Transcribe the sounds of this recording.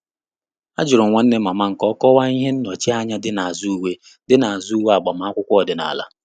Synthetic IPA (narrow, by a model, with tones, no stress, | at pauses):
a̰˦d͡ʒʊ˨ɾʊ˨ŋʷa˨n̩˦ne˦ma˨ma˦ŋ̩˨kɔ˦kɔ˦wa˦i˦ɦe˦n̩˦no˨t͡ʃi˦a˦ɲa˦dɪ˦na˨a˨zu˦u˦we˦ | dɪ˦na˨a˨zu˦u˦we˦a˨ɡ͡ba˨ma˨˦a˦kʷʊ˦kʷɔ˦˨dɪ˨na̰˨la̰˦